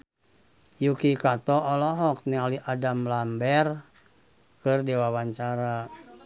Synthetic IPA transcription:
jukikat̪ɔʔːlɔɦɔk̚nialiʔadamlambɛr | kɨrdɛwawaɲt͡ʃaɾa

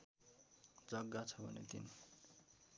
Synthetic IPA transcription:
d͡zʌɡːat͡sʰʌbʱʌ̰nḛt̪in

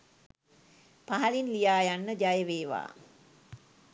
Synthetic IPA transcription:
paɦɐlinlijaːjanːəd͡ʒajəʋeːʋa̰ː

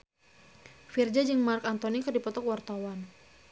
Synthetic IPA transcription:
fird͡ʒad͡ʒɨŋmarkant̪ɔnikɨrdipɔt̪ɔkwart̪awan

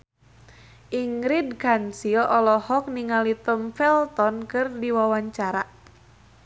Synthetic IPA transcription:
ʔiŋɾid̚kansilɔlɔhɔk̚niŋalit̪əmfɛlt̪ɔnkɨrdiwawaɲt͡ʃaɾa

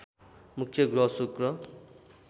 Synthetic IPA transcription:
mukʰjʌɡɾʌsukrʌ

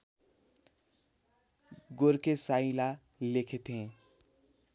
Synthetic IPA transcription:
ɡoɾkesaĩla | lekʰet̪ẽ

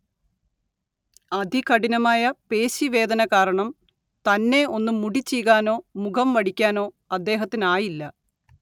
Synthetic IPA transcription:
ɐd̪ʱikɐɽinɐmaːjɐpeːɕiʋe̞ːd̪ɐnɐkaːɾɐɳɐm | t̪ɐnːe̞o̞nːumːuɽit͡ɕːijɣaːno̞ːmukʰɐmʋɐɽikʲːaːno̞ː | ɐd̪ːe̞ːɦɐt̪ːinaːjilːɐ

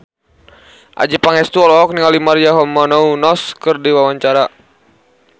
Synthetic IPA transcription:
ʔa̰d͡ʒipaŋɛst̪uɔlɔɔk̚niŋalimaɾiaɦɔmɔnɔunɔskɨrdiwawaɲt͡ʃaɾa

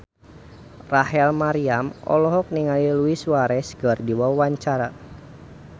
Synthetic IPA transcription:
raɦɛlmaɾiamɔ̰lɔɦɔk̚niŋaliluiswaɾɛsɡərdiwawaɲt͡ʃaɾa

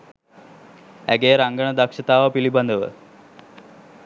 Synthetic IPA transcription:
æɡeːɾaŋɡəɳəd̪akʂət̪aːʋəpiliband̪əʋə̰

